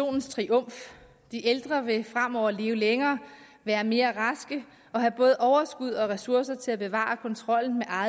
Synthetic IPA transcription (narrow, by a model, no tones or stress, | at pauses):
o̝̰ːnn̩st͡sʰʁiʔɔ̽m̰f | d̥iʔeld̥ʁɐʋe̝fʁam̰ɒʊ̰ɐle̝ːʊəleŋɐː | ʋæːɐme̝ːɐʁɑ̈sɡ̥ə | ɒ̽ɦæb̥ɔ̽ːð̞ˠəʔɒʊɐsɡ̥uð̞̰ˠɒ̽ʁɛsuɐsɐt͡sʰe̝læb̥e̝ʋɑ̰̈kʰɒ̽nt͡sʰʁɒ̽l̰n̩meʔɑ̈